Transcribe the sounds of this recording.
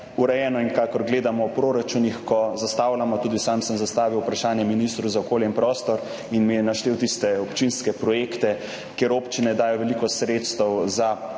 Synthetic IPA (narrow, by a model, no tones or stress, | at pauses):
uɾɛjɛːnɔiŋkakɔɾɡleːd̪amɔwpɾoɾat͡ʃunixkɔzast̪aːwlamɔt̪uːd̪isamsəmzast̪aːʋiwpɾaʃaːnjɛminist̪ɾuzaokoːljɛinpɾɔːst̪ɔɾ | inmijɛnaʃt̪eːwt̪ist̪ɛɔpt͡ʃinskɛpɾɔjekt̪ɛ | keːɾoːpt͡ʃinɛd̪aːjɔʋɛlikɔsɾet̪st̪ɛwza